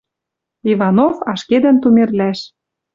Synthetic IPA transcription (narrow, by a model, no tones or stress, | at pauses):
ivɑnofɑʃked̪ɘ̆nt̪umerlæʃ